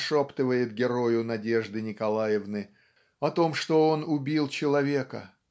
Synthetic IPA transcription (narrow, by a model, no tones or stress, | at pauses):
ʂopt̪ɨvəjɪt̪ɡʲɪɾo̞jʊnɐdʲe̞ʐd̪ɨnʲɪkɐlˠajɪvnɨ | ɐt̪o̞mʂt̪o̞o̞nʊbʲilˠt͡ɕɪlˠɐvʲe̞kə̰